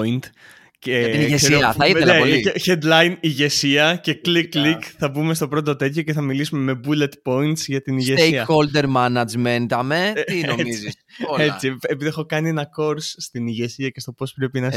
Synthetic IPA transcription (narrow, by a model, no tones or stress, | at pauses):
int̪ | ceieɐθɐineçed̪lɐjniʝe̞siɐce̞kliklikθɐbume̞st̪o̞pɾo̞t̪o̞t̪e̞t̪çoce̞θɐmilisume̞me̞bule̞t̪po̞int̪sʝɐt̪iniʝet̪seiɐxold̪eɾmɐnɐd͡ʒment̪ɐmeinoeizis | oet͡siepiðiexo̞kɐnienɐko̞ɾsːt̪iniʝe̞siɐce̞st̪o̞po̞spɾe̞pinɐ